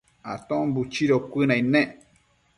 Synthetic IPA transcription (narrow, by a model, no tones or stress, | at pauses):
a̰t̪õbut͡ʃiɾokʷɨnãĩnẽ